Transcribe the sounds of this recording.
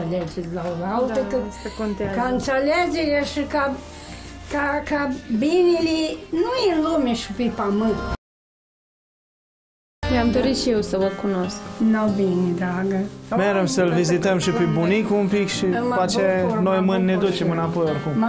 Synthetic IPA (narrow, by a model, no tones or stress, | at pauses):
alʲed͡ʒeɾʲlalawt̪ək̪əkont̪akaɨnt̪salʲed͡ʒeɾʲaʃika | kakabinʲilʲinujenlumʲeʃipepamɨnt̪ | nʲamd̪oɾiʃijewsəvəkunosknawbinʲid̪aɡəmeɾəmsəlvizit̪əmʃipebunikuumpikʃimat͡ʃenojmɨnʲned̪ut͡ʃemɨnapo̞jorkum